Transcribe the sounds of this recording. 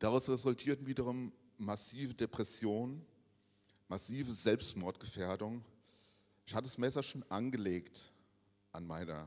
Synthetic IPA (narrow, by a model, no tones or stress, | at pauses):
d̥aʁaʊsʁezʊltʰiːɐtn̩viːdəʁ̞ʊmː | asiːvədepʁ̥ɛsjoːn | masiːvəzɛlpstmɔɐtɡ̥əfeːɐdʊŋ | ʔɪçhatədasmɛsɐʃoːnʔanɡəleːkt | ʔanmaɪnɐ̰